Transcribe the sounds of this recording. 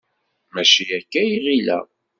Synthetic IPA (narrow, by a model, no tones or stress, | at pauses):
mæʃijækːæjiʁilæ̰